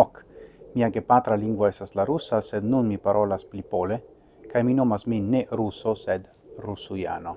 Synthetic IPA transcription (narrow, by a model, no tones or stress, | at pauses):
ɔkmiaɡepat̪ɾaliŋɡwaɛsaslaɾusːased̪nunmipaɾʔɔlasplipole | kajminɔmasminɛɾusosɛd̪ | rusuja̰no